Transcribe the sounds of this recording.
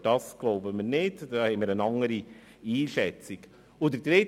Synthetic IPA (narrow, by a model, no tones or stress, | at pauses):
d̥ɑsɡ̥loʊbəmiːnɪddɑhɛmiːɾənɑŋəɾi | iːʃɛt͡sik | ʊd̪ədɾɪ